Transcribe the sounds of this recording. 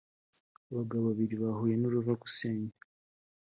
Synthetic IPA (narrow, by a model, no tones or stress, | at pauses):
βaɡaβaβiɾiβahojenoɾuvaku̥seːɲa